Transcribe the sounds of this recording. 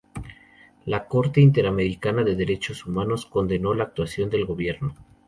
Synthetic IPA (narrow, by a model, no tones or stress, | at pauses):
lako̞ɾt̪e̞int̪e̞ɾame̞ɾikanaðe̞ðeɾe̞t͡ʃo̞sumano̞sko̞nd̪e̞no̞laːk̚t̪wasjo̞nd̪e̞lɣo̞βje̞ɾno